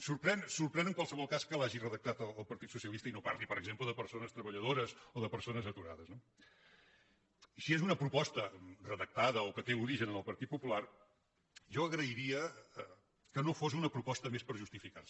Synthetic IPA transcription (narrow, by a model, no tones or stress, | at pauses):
suɾpɾɛnsuɾpɾɛnəŋkwalˠsəβɔlˠkaskəlaʒirəðək̚t̪at̪əlːlˠpəɾt̪it̪susiəlist̪əinoparlipəɾəɡzempləðəpəɾsonəst̪ɾəβəʎəð̞oɾəzoðəpəɾsonəzət̪uɾa̰ðəzno | siezunəpɾupɔst̪ərəðək̚t̪aðəokət̪euɾiʒənənəlˠpəɾt̪it̪̚pupular | ʒɔəɣɾəiɾiə | kənofos̬unəpɾupɔst̪əmespəɾʒust̪ifika̰rs